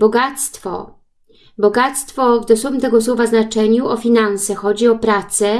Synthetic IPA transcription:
bɔɡat̪st̪fɔ̰ | bɔɡat̪st̪fɔvd̪ɔsumt̪ɛɡɔswɔvaznat͡ʂɛɲuɔfʲinansɛxɔd͡ʑiɔpɾat̪sɛ

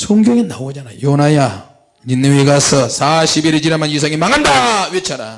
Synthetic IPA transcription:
sʰoŋɡjʌŋenawod͡ʑanajonaja | ɲinːɯweɡasʰʌsʰaɕʰibiɾɯd͡ʑiɾamanjis̬ʰaŋimaŋandawet͡ɕʰaɾa̰

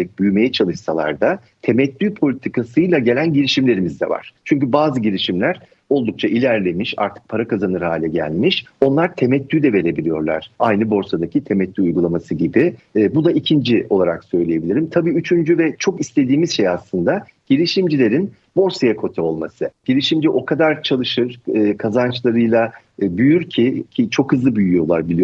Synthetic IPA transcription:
ɛc̚byjme̞jɛt͡ʃʰalˠɯʃsalˠa̰ɾd̪a | t̪ʰe̞mɛt̪lʲyːpʰo̞lʲit̪ʰikʰasɯjlˠaɟe̞lʲænɟiɾiʃimlʲe̞ɾimizd̪ɛ̰va̰ɾ̥t͡ʃʰyɲcybaːzɯɟiɾʲiʃimlʲæɾ̥ | o̞lˠd̪uk̚t͡ʃʰaʔilʲæɾlʲe̞miʃa̰ɾt̪ʰɯ̥k̚pʰaɾakazanɯɾhaːlʲɛɟæ̰lʲmiʃo̞nlˠaɾt̪ʰe̞mɛt̪ːʲyd̪ɛve̞ɾe̞bilʲijo̞ɾlˠa̰ɾ̥ajnɯbo̞ɾsad̪acʰit̪ʰemɛt̪ʲlʲyujɡulˠamasɯɟibibud̪aicʰind͡ʒiʔo̞lˠaɾaksø̞jlʲeje̞bilʲiɾimt̪ʰabiːyt͡ʃʰynd͡ʒyvɛt͡ʃʰo̞kislʲe̞d̪iːmizʃe̞jaslˠɯnd̪a | ɟ̥elʲiʃimd͡ʒilʲe̞ɾin | bo̞ɾsajakʰo̞t̪ʰɛo̞lˠmasɯɟ̥elʲiʃimd͡ʒiʔo̞kʰad̪aɾt͡ʃʰalˠɯʃɯɾ̥ɯkʰazant͡ʃlˠaɾɯjlˠa | byjyɾcʰicʰit͡ʃʰo̞khɯzlˠɯbyjyjo̞lˠaɾbilʲij

